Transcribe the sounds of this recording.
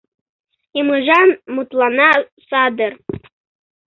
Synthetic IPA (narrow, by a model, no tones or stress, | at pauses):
imɯʒɑnmut̪lˠɑnɑ | sɑd̪ɤr